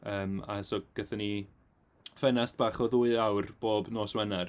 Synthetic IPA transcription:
əːma̰soɡ̥ɛθəni | fɛnast̚b̥aːχɔðuːɨawrb̥oːbnoːswɛnar

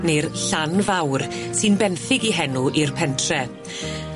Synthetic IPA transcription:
nerɬanvawrsɨnbɛnθɪɡiɦɛnuʔirpʰɛntʰrɛ

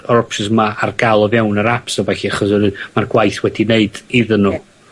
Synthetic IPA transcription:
ɔɾɔpsəsmaarɡalˠɔvjawnəɾapsɔvɛɬiaχɔsənɨmarɡwajθwɛdineɨdɪðənːuː

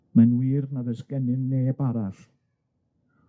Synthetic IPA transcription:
manwiːrnavɛsɡɛnɨnːeːbaɾaɬ

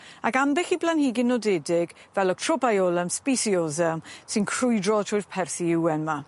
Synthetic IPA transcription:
akambɪxiblˠanhiːɡɪnːɔdɛdɪɡvɛlˠɔɡ̥̚tʰrɔbajɔlˠəmspisiɔzɛsɪnkʰrʊjdrɔtʰʊjð̥pʰɛrθiɪwɛnma

